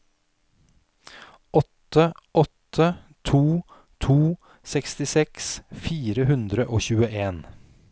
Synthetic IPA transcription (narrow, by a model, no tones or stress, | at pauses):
ɔt̪əʔɔt̪ʰə | t̪ʰuː | t̪ʰuː | sɛkst̪ɪsɛksfiːɾəhʉnd̪ɾəʔoːçʉːəʔeːn